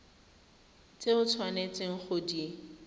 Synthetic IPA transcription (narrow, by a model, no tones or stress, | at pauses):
t͡sʼeʊt͡sʰwanet͡sʼeŋ̩χʊdi